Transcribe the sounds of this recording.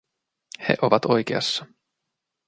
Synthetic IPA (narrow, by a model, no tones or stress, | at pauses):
he̞̰ʔo̞ʋɑt̪o̞jk̟eɑ̰sːɑ